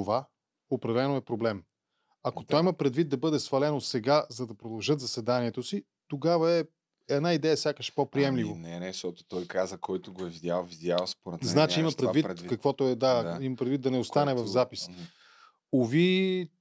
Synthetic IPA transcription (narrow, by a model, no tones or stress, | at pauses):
t̪ova | opɾɐdɛlɛnoɛpɾoblɛm | ɐkot̪ɔimɐpɾɛd̪vit̪̚d̪ɐbɤd̪ɛsvɐlɛnosɛɡazɐd̪ɐpɾod̪ɐlˠʒɤt̪zɐsɛd̪aniɛt̪osi | t̪oɡavəɛ | ɛd̪naid̪ɛjəfsʲjakəʃpɔpɾiɛmlivonɛnɛʃt̪ɔt̪o̥t̪ɔjkazəkɔjt̪ʊɡoɛvidʲjalˠvid̪ʲjalspoɾɛt̪znat͡ʃiimɐpɾɛd̪vitɾd̪kəkvɔt̪ʊɛd̪aimɐpɾɛd̪vit̪ːɐnɛost̪anɛvɐfzapis | ovi